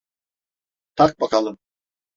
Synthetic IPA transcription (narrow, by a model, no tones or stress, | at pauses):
t̪ʰak̚bakalˠɯm